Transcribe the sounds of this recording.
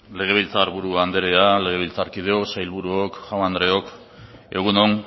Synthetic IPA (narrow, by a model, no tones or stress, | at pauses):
le̞ɣ̞e̞β̞ilt͡saɾβuɾuand̪eɾeale̞ɣ̞e̞β̞ilt͡saɾkið̞eoksajlβuɾuokʝawand̪ɾe̞o̞k | e̞ɣ̞unon